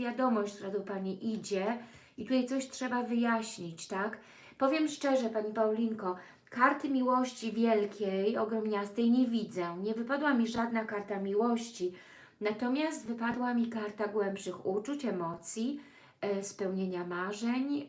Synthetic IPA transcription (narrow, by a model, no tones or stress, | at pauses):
vʲjad̪ɔmɔɕt͡ɕt̪uɾad̪ɔpaɲiʔid͡ʑɛ | it̪ut̪ajt̪ɔɕtʂɛbavɘjaɕɲit͡ɕt̪ak | pɔvʲjɛmʂt͡ʂɛʐɛpaɲipawlʲiŋkɔ | kaɾt̪ɘmʲiwɔɕt͡ɕivʲjɛlkʲejɔɡɾɔmɲast̪ɛjɲɛvʲid̪zɛɲɛvɘpad̪wamʲiʐad̪nakaɾt̪amʲiwɔɕt͡ɕi | nat̪ɔmʲjast̪vɘpad̪wamʲikaɾt̪aɡwɛmpʂɘxut͡ʂut͡ɕɛmɔt̪sʲji | spɛwɲeɲamaʐɛɲ